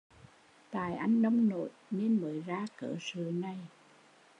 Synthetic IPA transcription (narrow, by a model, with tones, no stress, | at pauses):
t̪a̰ː˧˨jʔa˧jŋ̟ɗə˧wŋ͡mno̰˧˨jne˧nməː˨˦jzaː˧kəː˧˩sɨ˨˩˦na˨˩j